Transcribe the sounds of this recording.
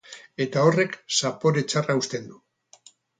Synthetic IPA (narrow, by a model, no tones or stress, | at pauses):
e̞t̪ao̞re̞ksapo̞ɾe̞t͡saraust̪e̞nd̪u